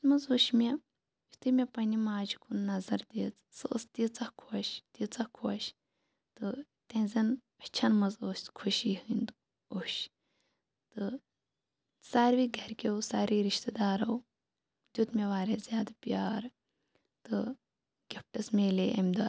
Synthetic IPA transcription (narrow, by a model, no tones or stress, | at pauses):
mɨzoʃme | it̪ɨmʲepɐnimaːd͡ʒukʰunnɐzɐɾd̪iːt͡s | sɨ̰st̪it͡sɐkʰoːʃt̪it͡sɐhkʰoːʃ | t̪ɨ | t̪ẽːzɐn | ɐt͡ʃʰɐnmɨzoskʰuʃiːɦɨnd̪ | oʃ | t̪ɨ | saːɾʋiɡʱɐɾkʲeusaːɾiɾiʃt̪ed̪aːɾɐw | d̪ʲut̪meʋaːɾezʲjaːd̪apʲjaːɾ | t̪ɨ | ɡʲep̚ʈɐsmeːleʔɐmd̪a